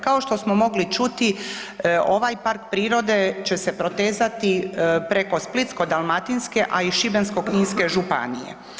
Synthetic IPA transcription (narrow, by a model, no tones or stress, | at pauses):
kao̞ʃt̪o̞smomo̞ɡlit͡ʃut̪i | o̞ʋajpaɾk̚pɾiːɾo̞d̪e̞t͡ɕe̞se̞pɾo̞t̪eːzat̪ipɾe̞ko̞split̪sko̞d̪almat̪inske̞ʔaiʃibensko̞kmiːnske̞ʒupa̰nḭjḛ